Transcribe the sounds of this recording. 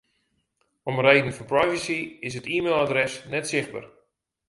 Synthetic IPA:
ɔmrejdən̩fɔnprajvəsiɪsɦətiːmeːlˠadrɛsnɛtsɪχd̚bə̰r

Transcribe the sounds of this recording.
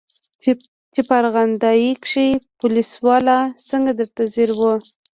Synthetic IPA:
t͡ʃipaɾɣand̪ɑjikʂipʊliswɑlasəŋɡad̪əɾt̪aziɾwə

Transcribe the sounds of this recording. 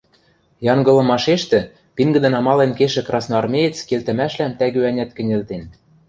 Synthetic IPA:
jɑŋɡɤ̆lˠɤ̆mɑʃeʃt̪ɘ̆ | piŋɡɘ̆d̪ɘ̆nɑmɑlenkeʃɘ̆krɑsnoɑrmʲejet͡skelt̪ɘ̆mæʃlæmt̪æɣøænʲæt̪̚kɘ̆nʲelt̪en

